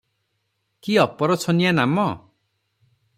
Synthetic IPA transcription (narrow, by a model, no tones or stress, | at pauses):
kiɔpɔɾɔt͡sʰɔnijanamɔ